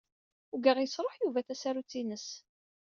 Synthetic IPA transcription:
ʊɡəʁjəsɾˤoħjuvæθæsaɾut͡sːinəs

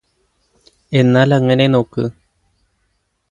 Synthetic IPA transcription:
enãlaŋenenokɨ

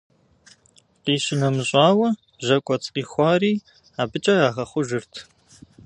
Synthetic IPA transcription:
qiːɕɪnɐmɨɕʼɑːwɐ | bʑɐkʷʼɔt͡sʼqiːxʷɑːriː | aːbɨt͡ʃʼɐaːʁɐχʷʊʒɨrtʰ

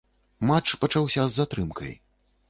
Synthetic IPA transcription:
mat͡ʂpɐt͡ʂawsʲɐzːat̪ɾɨmkɐ̰j

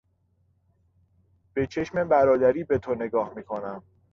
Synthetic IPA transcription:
b̥e̞t͡ʃʰe̞ʃme̞bæɾɒːd̪æɾiːbe̞t̪ʰone̞ɡɒːhmiːkʰo̞næm

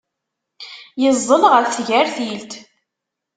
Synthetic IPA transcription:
jəzˤːəlʁəɾθʝæɾθilt̪

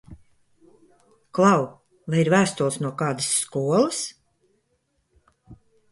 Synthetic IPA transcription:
klˠɑw | vajiɾvæːst̪ulˠsnuɔkɑːd̪ɨsːkuɔlˠəs

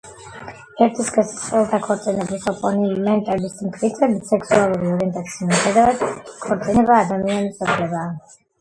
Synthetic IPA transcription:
ɛɾt̪ʰiskʼɛsi̥sχʼɛlˠt̪ʰakʰɔɾt̪sʼinɛbisɔpʼɔnimɛnt̪ʼɛlismkʰɾit̪sʰɛbit̪sɛksualˠuɾiɔɾɛɛnt̪ʼat̪sʰismiumχɛd̪avad̪̥kʰɔɾt̪sʼinɛbaːd̪amianisʼɔpʰlɛbaː

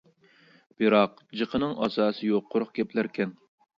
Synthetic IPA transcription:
b̥ɨɾɑq̚ | d͡ʒɨqʰənɨŋʔɑsɑːsɨjoqʰːoɾʊχkʲɛplæɾkʲʰɛn

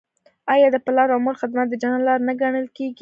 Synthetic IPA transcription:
ɑjɑd̪əpɪlɑɾmoɾxɪd̪mat̪̚d̪əd͡ʒannlɑɾnaɡaɽəlkeɡi

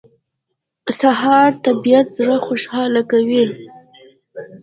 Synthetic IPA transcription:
saɦɑɾt̪abijat̪zɽəxoʃhɑlakawi

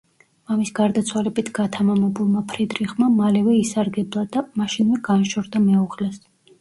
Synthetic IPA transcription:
mamisɡaɾd̪at̪sʰwalɛbit̪ʰɡ̥at̪ʰamamɛbulˠmapʰɾid̪ɾiχmamalɛvɛisaɾɡɛblˠad̪amaʃinmɛɡanʃɔɾd̪amɛuʁlɛs

